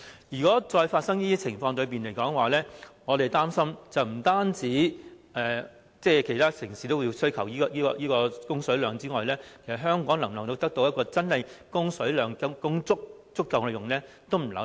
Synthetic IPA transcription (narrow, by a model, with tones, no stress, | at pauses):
jyː˨˩kɔː˨˥t͡sɔː˧jfaː˧t̚sɐ˥ŋjiː˥t̪iː˥t͡sʰɪ˨˩ŋfɔː˧ŋt̪ɵ˨˧ɥp̬iː˨nle˨˩jkɔː˨˥ŋwaː˨˩lɛː˥ŋɔː˨˧t̪e˨˩jt̪aː˥msɐ˥mt͡sɐ˨wm̩˨˩t̪aː˥nt͡siː˨˥ | ɛː˨ | t͡sɛː˥˩kʰe˨˩jt̪ʰaː˥sɪ˨˩ŋsiː˨˩t̪o˥wju˧wsɵ˥ɥkʰɐ˨˩wjiː˥kɔː˧jiː˥kɔː˧jiː˥kɔː˧kʊ˥ŋsɵ˨˥ɥlœː˨˧ŋt͡siː˥ŋɔː˨jlɛː˥kʰe˨˩sɐ˨t̚ɦœː˥ŋkɔː˨˥ŋlɐ˨˩ŋlɐ˨˩ŋt̪o˨˧wt̪ɐ˥k̚t̪o˧wjɐ˥tkɔː˧t͡sɐ˥nhɐ˨jkʊ˥ŋsɵ˨˥ɥlœː˨˧ŋkɐ˧˥kʊ˥ŋt͡sʊ˥k̚t͡sʊ˥kːɐ˨˧wkɛ˨˧jʊ˨˩ŋlɛː˥ | t̪o˥wm̩˨˩lɐ̰˨˥